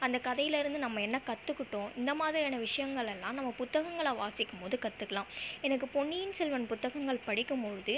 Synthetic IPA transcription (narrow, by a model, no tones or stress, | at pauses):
ɐnd̪ɐkɐðɐjɪlɪɾɯnd̪ɯnɐmːɐɛnːɐkɐt̪ːɯkːɪʈːõːʔɪnd̪ɐmaːðɪɾɪaːnɐʋɪʂɐjɐŋɡɐɭɛlːãːnɐmːɐpʊt̪ːɐɣɐŋɡɐɭɐʋaːsɪkːɯmpoːðɯkɐt̪ːɯkːɐlãːɛnɐk̬ːɯpɔɳːɪjɪnsɛlʋɐnpʊt̪ːɐɣɐŋɡɐɭpɐɽɪkːɯmpɔɻɯðɯ